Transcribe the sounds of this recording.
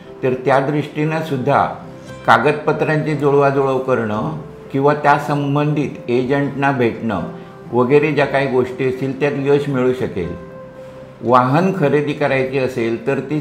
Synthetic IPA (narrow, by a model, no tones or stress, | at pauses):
t̪əɾt̪jad̪ɾiʂʈinasud̪ʱːa̰ | kaɡət̪̚pət̪ɾjãɲt͡sed͡zoɭʋad͡zoɭəʋkəɾɳə | kĩw̃ʋat̪jasəmbənd̪ʱiːt̪ed͡ʑəɳʈnabʱeʈɳə̰ | ʋəɡəɾed͡ʑjakaɦiːɡoʂʈiəsiːlt̪jat̪ləɕmiɭuːɕəkḛl | ʋaɦənkʰəɾed̪ikaɾajt͡ɕeəselt̪əɾt̪i